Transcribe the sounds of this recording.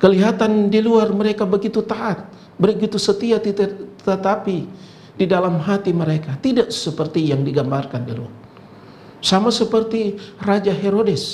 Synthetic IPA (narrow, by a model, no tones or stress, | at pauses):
kəliɦat̪andiluarməɾekabəɡit̪ut̪aʔat̪̚ | bəɾiɡit̪usət̪iat̪iət̪api | didalamɦat̪iməɾekat̪idaʔsəpərt̪ijaŋdiɡambarkandilṵar | samasəpərt̪irad͡ʒaɦeɾodɛs